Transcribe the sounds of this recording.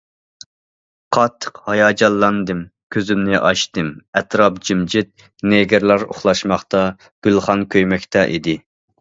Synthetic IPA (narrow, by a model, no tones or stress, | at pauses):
qʰɑt̪ʰːə̥qhɑjɑːd͡ʒɑlˠːɑnd̪ɨmkʲʰøzymnɪʔɑʃt̪ɨmɛt̪ɾɑp̚d͡ʒimd͡ʒɪt̪̚ | neɡʲɪɾlˠɑɾo̰χlˠɑʃmɑχt̪ɑ | ɡ̥ʲylˠχɑnkʲʰøjmɛkʲt̪ʰɛʔḭd̪ɪ